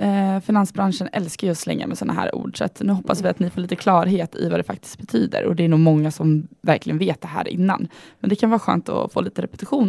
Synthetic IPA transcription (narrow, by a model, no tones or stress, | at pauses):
fɪnansbɾanʂənɛlskajɔslɛ̰ŋːa̰mɛsɔnʔaɦæ̰ːɾṵːɖʂa̰t̪nʉ̟ːɦɔpːasvɪat̪nɪfoːɭiːt̪əkʰlɑːɾɦeːt̪ʰɪ̰vad̪ɛfak̚t̪ɪ̥st̪̚bɛt̪ʰyːd̪ə̰ɾɔ̰d̪ɛːɳuːɡmɔŋːasɔmvæɾklɪɡənveːt̪̚d̪ɛɦæ̰ːɾʔɪ̰nːa̰nmɛnd̪ɛkʰanvɑːɾaɧø̰ːnt̪ɔ̰foːliːt̪əɾɛpɛ̥t̪ɪɧuːn